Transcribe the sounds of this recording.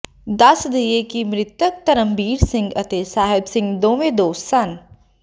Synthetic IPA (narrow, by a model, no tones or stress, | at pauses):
d̪ɐsd̪ijekimɾɪt̪ək̚t̪ɐɾəmbiːɾsɪ̃ŋɡɐt̪esaːɦɪbsɪ̃ŋɡd̪õːʋẽd̪oːsɐn